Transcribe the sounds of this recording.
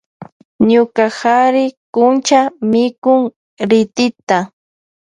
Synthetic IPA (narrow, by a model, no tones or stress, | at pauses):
ɲʊkaxaɾɪkʊnt͡ʃamɪkʊŋ | ɾɪt̪ɪt̪a